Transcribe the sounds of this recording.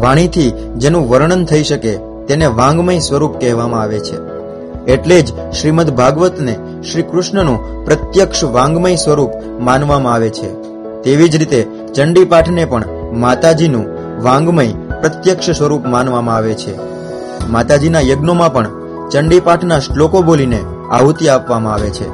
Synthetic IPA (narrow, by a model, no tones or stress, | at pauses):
ʋaɽ̃it̪ʰi | d͡ʒenũʋəɾɳ̃ənt̪ʰəiʃəke | t̪eneʋãŋɡməĩsʋəɾupkɛɦʋamãaʋet͡ʃʰe | eʈled͡ʒ | ʃɾimət̪bʱaɡʋət̪ne | ʃɾikɾʊʃɳənũ | pɾət̪jəkʃʋãŋɡməisʋəɾup | manʋamãaʋet͡ʃʰḛ | t̪eʋid͡ʒɾit̪e | t͡ʃəɳɖipaʈʰnepəɳ | mat̪ad͡ʒinũ | ʋãŋɡməipɾət̪jəkʃəswʋəɾupmanʋamãaʋet͡ʃʰḛ | mat̪ad͡ʒinajəɡnomãpəɳ | t͡ʃəɳɖipaʈʰnaslokoboline | aɦut̪iapʋamãaʋet͡ʃʰḛ